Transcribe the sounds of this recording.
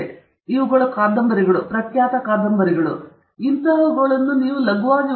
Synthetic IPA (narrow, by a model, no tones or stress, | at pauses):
iʋuɡɐɭɐkaːd̪ɐmbɐɾiɡɐɭupɾɐkjaːt̪ɐkaːd̪ɐmbɐɾiɡɐɭṵ | int̪ɐʋuɡɐɭɐnːuniːʋulɐɡʋaːni